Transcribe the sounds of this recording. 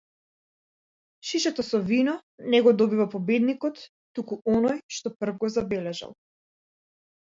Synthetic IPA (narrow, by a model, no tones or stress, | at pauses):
ʃiʃɛt̪ɔsɔvinɔnɛɡɔd̪ɔbivapɔbɛd̪nikɔt̪ː | ukuɔnɔjʃt̪ɔpr̩vɡɔzabɛlɛʒa̰lˠ